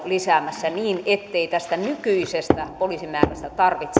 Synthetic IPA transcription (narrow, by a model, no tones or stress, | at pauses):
lisæˑmæsːæniːnet̪ːeit̪æst̪ænykyisest̪æpoliːsimæːræst̪æt̪ɑrʋit̪s